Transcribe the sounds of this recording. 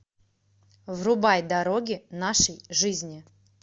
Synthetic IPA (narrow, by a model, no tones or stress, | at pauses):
vrʊbajd̪aɾoɡʲɪnaʂəjʐɨzʲnʲɪ